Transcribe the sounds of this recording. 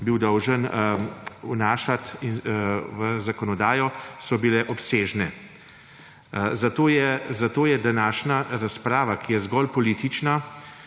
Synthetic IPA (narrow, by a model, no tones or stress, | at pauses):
biwd̪ɔwʒən | unaːʃat̪inʋəzakɔnɔd̪aːjɔsɔbilɛʔɔpseːʒnɛ | zat̪oːjɛzat̪oːjɛd̪anaːʃnaɾaspɾaːʋakʰijɛzɡɔlpɔliːt̪it͡ʃna